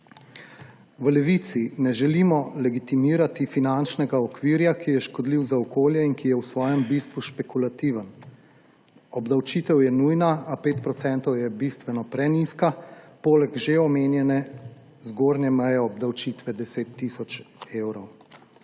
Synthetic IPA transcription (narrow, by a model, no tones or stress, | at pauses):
ʋəlɛʋit̪sinɛʒɛlimɔlɛɡit̪imiːɾat̪ifinant͡ʃnɛɡaɔkʋiːɾjakijɛʃkɔd̪liwzaɔkoːljɛinkijɛwsʋɔːjɛmbist̪ʋuʃpɛkulat̪iʋən | ɔbd̪awt͡ʃit̪ɛwjɛnujnaːpeːt̪pɾɔt̪sɛnt̪ɔwjɛbist̪ʋɛnɔpɾɛniskapoːlɛɡʒeɔmeːnjɛnɛ | zɡoːɾnjɛmɛjɛɔbd̪awt͡ʃit̪ʋɛd̪ɛseːt̪ːisɔt͡ʃewɾɔw